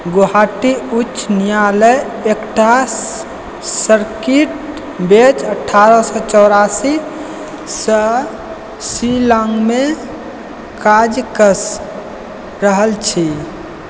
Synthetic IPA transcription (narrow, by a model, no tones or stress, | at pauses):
ɡoɦaʈiut͡ʃːʃnijaləj | ekʈa | səɾkiʈ | bet͡ʃəʈʰːaɾəsɔt͡ʃɔwɾasi | sɔ | silaŋɡme | kad͡ʒkəs | ɾəɦəlt͡ʃʰi